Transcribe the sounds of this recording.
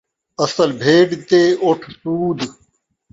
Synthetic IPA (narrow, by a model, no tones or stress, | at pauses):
ɐsəlbʱeːɖt̪eːoʈʰsuːd̪